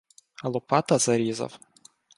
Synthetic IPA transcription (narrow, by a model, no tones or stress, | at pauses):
ɐlˠɔpɑt̪ɐzɐɾʲizɐ̰w